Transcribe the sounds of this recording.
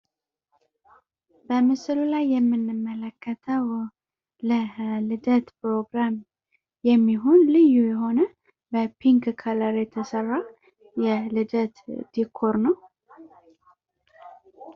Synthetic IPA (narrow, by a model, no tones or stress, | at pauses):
b̥əmɨsɨlulajːɛmːɨnːɨmːələkʰːət̪ʰəw | ləlɨd̪ət̪pɾo̞ɡɾam | jɛmːiɦo̞nlɨjːujɛɦo̞nə | bəpʰiŋkkʰələɾjɛt̪ʰəsərːa | jɛlɨd̪ət̪d̪̥ikʰːoɾnəw